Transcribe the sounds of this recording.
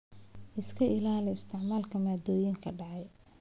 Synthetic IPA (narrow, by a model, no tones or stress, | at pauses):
ʔɪskʰɐʔɪlaːlɪɪst̪ʰɪʕmaːlkʰɐmaːd̪ɔːjɪŋkʰɐɖɑʕɑj